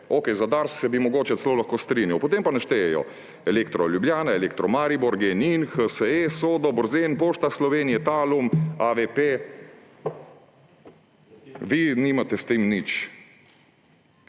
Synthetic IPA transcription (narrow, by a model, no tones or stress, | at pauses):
okɛjzad̪aɾssɛbimɔɡoːt͡ʃɛt̪sɛloːlaxkoːst̪ɾiːnjawpot̪empanɛʃt̪ɛjɛjɔ̰ | ɛleːkt̪ɾɔljubljaːnaelekt̪ɾɔmaːɾiboɾɡɛninxəsəesoːd̪ɔbɔɾzenpoːʃt̪aslɔʋeːnijɛt̪aːlumaʋepe | ʋiniːmat̪ɛst̪emnit͡ʃ